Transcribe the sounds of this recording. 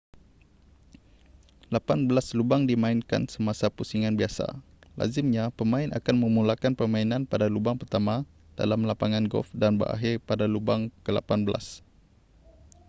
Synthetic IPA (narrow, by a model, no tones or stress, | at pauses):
lapanbəlaslubaŋdimãɪnka̰nsəmasapusiŋanbiasa̰ | la̰zɪmɲapəmãɪnʔa̰kanmə̃mulakanpəmãinãnpadalubaŋpərt̪ama | d̥a̰lamlapaŋãnɡɔ̰lfdanbə̰ɾa̰ɦɪrpadalubaŋkəla̰panbəla̰s